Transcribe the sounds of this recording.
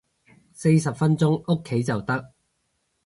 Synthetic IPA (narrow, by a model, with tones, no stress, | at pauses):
se˧jsɐ˨p̚fɐ˥nt͡sʊ˥ŋo˥kʰːe˨˥jt͡sɐ˨wt̪ɐ˥k̚